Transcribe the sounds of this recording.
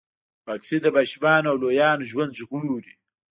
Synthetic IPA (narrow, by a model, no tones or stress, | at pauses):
paksid̪əbaʃbɑːnawlojɑːnoʒwand̪ʒɣuuɾi